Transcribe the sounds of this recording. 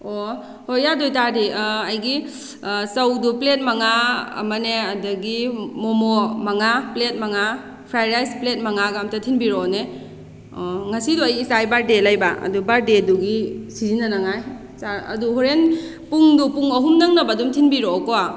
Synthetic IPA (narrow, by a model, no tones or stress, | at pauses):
o | hojːadojtadiɐjɡi | sɐwduplet̚maŋaɐ̰mɐneɐdɐɡimomomaŋaplet̚maŋa | pʰɾajɾajsplet̚maŋaɡamtɐtʰinbiɾone | oŋɐsiduɐjisajbaɾdelajbaɐ̰dubaɾdeduɡisizinɐnaŋaj | saɐ̰duɦoɾen | puŋdupuŋɐɦumnɐŋnɐbadumtʰinbiɾokoa